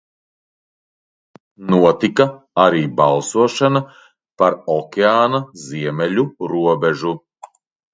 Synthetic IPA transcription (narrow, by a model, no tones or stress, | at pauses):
nuɔt̪ika | aɾiːbalˠsuɔʃana | paɾɔkʲeaːnaziɛmɛlʲuɾuɔbɛʒu